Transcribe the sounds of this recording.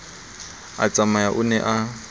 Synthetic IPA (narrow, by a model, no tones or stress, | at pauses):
a̰t͡sʼamajaʔʊnɛʔa